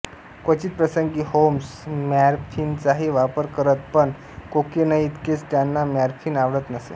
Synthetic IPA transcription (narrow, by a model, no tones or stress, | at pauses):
kʋət͡ɕiːt̪̚pɾəsəŋɡiːhoms | mæɾfiːnt͡saɦiːʋapəɾkəɾət̪̚pəɳ | kokenəjit̪ket͡st̪janːamæɾfʰiːnaʋɽət̪nəsḛ